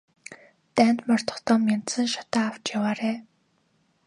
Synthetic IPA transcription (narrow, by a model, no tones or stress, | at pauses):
t̪æːnt̪mɔr̥t̪ɞ̥̆χt̪ɔːmʲent̪sə̆nʃḁt̪aːw̥t͡ɕjawaːɾeː